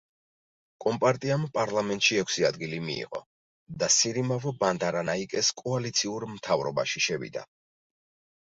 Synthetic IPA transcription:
kʼɔmpʼaɾt̪ʼiampʼaɾlˠamɛnt̪ʼʃiɛkʰʷsiad̪ɡilimḭːʁɔ̰ | d̪asiɾimavɔband̪aɾanaikʼɛskʼɔalit̪sʰiuɾmt̪ʰavɾɔba̰ʃiʃɛvḭd̪a̰

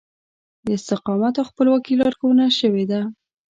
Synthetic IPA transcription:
d̪əɪst̪ɪqɑmat̪awxpəlwakilɑɾkawənaʃəwed̪a

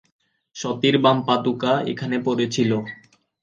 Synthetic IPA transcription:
ʃɔt̪iɾbampat̪ukaḛkʰanepoɾet͡ɕʰilo

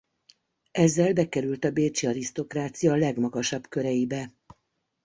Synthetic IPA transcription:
ɛzːɛlbɛkɛɾylt̪ɒbeːt͡ʃiɒɾist̪o̞kraːt̪sijɒlɛɡmɒɡɒʃɒbkø̞ɾɛjibɛ

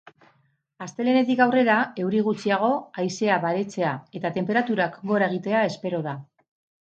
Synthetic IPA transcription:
ast̪e̞le̞ne̞t̪̬ikawre̞ɾae̞wɾiɣ̞ut͡siaɣ̞o̞ajse̞aβaɾe̞t͡se̞ae̞t̪at̪e̞mpe̞ɾat̪uɾakɡo̞ɾaeɣ̞it̪e̞ae̞spe̞ɾo̞ða

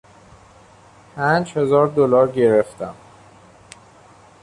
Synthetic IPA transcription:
pʰænd͡ʒhe̞zɒːɾd̪olɒːɾɟe̞ɾeft̪ʰæm

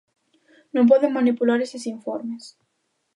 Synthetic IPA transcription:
nõmp̬oðemanipulaɾesesiɱfoɾmes

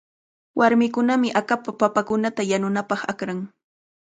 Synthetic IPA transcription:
wʔaɾmɪkʊnamɪʔakapapapakʊnat̪ajanʊnapɑχakɾaŋ

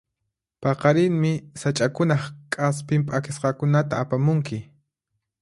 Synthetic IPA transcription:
pɑqɑɾɪŋmɪsat͡ʃʼakʊnɑχkʼaspɪmpʼakɪsqɑkʊnat̪aːpamʊŋkɪ

